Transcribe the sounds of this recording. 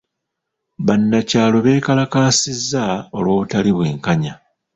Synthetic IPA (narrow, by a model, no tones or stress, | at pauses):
βanːacaːlo̞βe̞ːkalakaːsizːao̞lwo̞ːβutaliβwe̞̰ːŋkaɲa